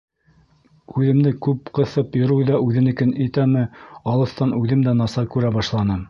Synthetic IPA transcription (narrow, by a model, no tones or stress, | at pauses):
ʉðɘ̆md̪ɘkʉpqɤ̆θɤpjŏɾɤwðɑʔʉðɘ̆nɘ̆kɘnĭt̪æmɘɑlˠɤ̆θt̪ɑnʉðɘmd̪ænɑsɑkʉɾæbɑʃlˠɑnɤ